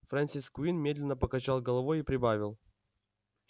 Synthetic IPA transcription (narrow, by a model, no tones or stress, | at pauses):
fɾanʲsʲiskʊinmʲe̞d̪lʲɪnːəpəkɐt͡ɕalˠɡəlˠɐvojipɾʲɪbavʲɪlˠ